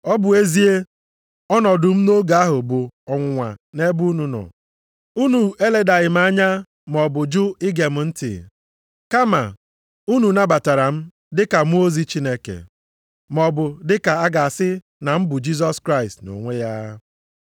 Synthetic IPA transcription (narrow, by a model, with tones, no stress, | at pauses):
ɔ˦bʊ˨e˦zi˦e˦ | ɔ˦nɔ˨dʊ˨m̩˦no˦ɡa˨a˦ɦʊ˨bo˨ɔ˨ŋʷʊ˨ŋʷa˨ne˦bu˦u˦nu˨nɔ̰˨ | u˦nu˨e˦le˨da˨ɣɪ˨m̩˦a˦ɲa˦ | m˨ɔ˨bʊ˨d͡ʒʊ˦ɪ˦ɡe˨m̩˦n̩˦tɪ̰˨ | ka˦ma̰˨ | u˦nu˨na˦ba˨ta˨ɾa˨m̩˦ | dɪ˦ka˨mu˦o˦zi˦t͡ʃi˦ne˦kḛ˨ | m˨ɔ˨bʊ˨dɪ˦ka˨a˦ɡa˨a˨sɪ˦ | na˨m̩˦bʊ˨d͡ʒi˦s̬ɔ˦skɾa˦ɪ˨stno̰˨ŋʷe˦ja˦